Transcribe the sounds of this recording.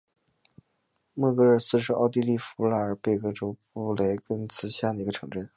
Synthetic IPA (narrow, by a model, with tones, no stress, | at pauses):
mɤ˥˧kɤ˥˧ə˥˧sɹ̩˥˧ʂ̬ɻ̩˥˧ɑ˥˧ʊt̪̬i˥˧li˥˩fu˧˥la˥˩ə˞˨˧˩pe˥˧ɪkɤ˥ʈ͡ʂo˥ʊpu˥˩le˧˥ɪkɤ˥ŋt͡sʰɹ̩˧˥ɕja˥˩d̪ə˩i˧˥ɡə˧ʈ͡ʂʰɤ˧˥ŋʈ͡ʂə˥˩n